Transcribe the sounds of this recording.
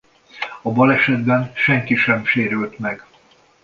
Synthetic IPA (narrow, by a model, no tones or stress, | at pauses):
ɒbɒlɛʃɛd̪bɛnʃɛŋkiʃɛmʃeːɾylt̪mɛɡ̥